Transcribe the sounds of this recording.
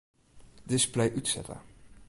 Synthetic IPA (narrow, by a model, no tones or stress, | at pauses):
dɪsplɛjʔytsɛ̰tə̰